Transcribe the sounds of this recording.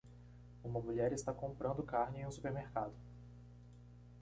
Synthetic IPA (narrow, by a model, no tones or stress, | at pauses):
ũmɐmuʎɛɾɪst̪akõmpɾɐ̃nd̪ʊkaɾnɪẽũsupeɾmeɾkad̪ʊ